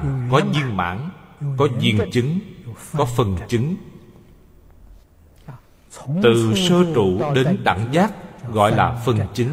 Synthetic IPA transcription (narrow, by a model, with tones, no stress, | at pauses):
kɔ˨˦zi˧əŋma̰ː˧˥nkɔ˨˦zḭ˨˩əŋt͡ɕɨ˨˦ŋkɔ˨˦fə˨˩nt͡ɕɨ˨˦ŋ | t̪ɨ˨˩səː˧t͡ɕṵ˧˨ɗe˨˦nɗa̰ː˧˨˩ŋzaː˦˥k̚ɣɔ̰˧˨jlaː˨˩fə˨˩ŋt͡ɕɨ˨˦ŋ